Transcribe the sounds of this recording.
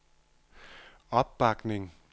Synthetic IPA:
ɒb̥̚b̥ɑ̈ɡ̥neŋ

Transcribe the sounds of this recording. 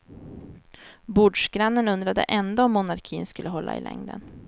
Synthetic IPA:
buːɖʂɡɾanːənɵnd̪ɾad̪ə̰ʔɛnd̪aɔmːʊnaɾkʰiːnskɵlːəɦɔlːa̰ɪ̰lɛ̰ŋd̪ə̰n

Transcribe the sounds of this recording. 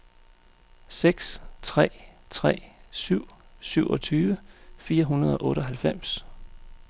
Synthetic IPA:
seɡ̥st͡sʰʁɛ̰ːt͡sʰʁɛ̰ːsyʊ̰syʊ̰ʔɒ̽t͡sʰyːʋəfiːɐɦunɐð̞ˠɒ̽ʔɔ̽ːɾəɒ̽ɦælfem̰s

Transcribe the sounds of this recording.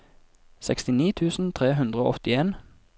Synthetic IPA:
sɛkst̪ɪniːt̪ʰʉːsn̩t̪ʰʁeːɦʉnd̪ʁəo̰ːɔt̪ɪeːn

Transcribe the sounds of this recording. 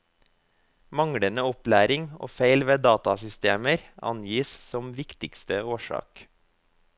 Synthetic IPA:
mɑŋɽənəɔplæːɾɪŋo̰ːfeɪlʋeːd̪ɑːt̪ɑsʏst̪eːməɾɑ̰njiːssɔmʋɪkt̪ɪkst̪əoːʃɑ̰ːk

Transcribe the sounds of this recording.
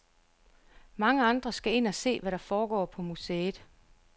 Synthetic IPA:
mɑ̈ŋəɑ̈nd̥ʁɐsɡ̥æe̝n̰æse̝̰ːʋæɾɑ̈fɒːɡ̥ɒ̰ːpʰɒ̽museːd̥ˠ

